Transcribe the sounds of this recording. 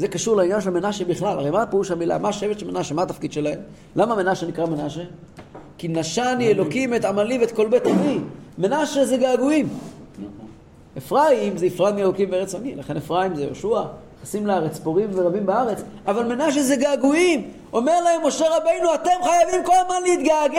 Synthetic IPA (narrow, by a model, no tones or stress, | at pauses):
zekaʃuʁlainjanʃelmenaʃebiχlala̰ʁejmapeʁuʃamila̰maːʃevet̪ʃelmenaʃemat̪afkid̪ʃelaem | lamame̞naʃenikʁamenaʃe | kinaʃanielo̞kimet̪amalivet̪̚ko̞lbet̪avimenaʃezeɡaːɡuim | efʁaimzeifʁaimielo̞kimveeʁet͡sanilaχe̞nefʁaimzejo̰ʃua | χasimleaʁet͡spoʁimveʁabimbaaʁe̞t͡s | avalme̞naʃ̬ezeɡaːɡuim | o̞me̞ʁlahe̞mːo̞ʃe̞ʁabe̞jnuat̪e̞mχajavimko̞lmanliit̪ɡaɡ